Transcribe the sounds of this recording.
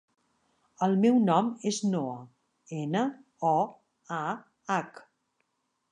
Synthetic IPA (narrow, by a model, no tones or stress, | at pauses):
əlˠmɛwnɔmeznoə | enə | ɔ | a | ak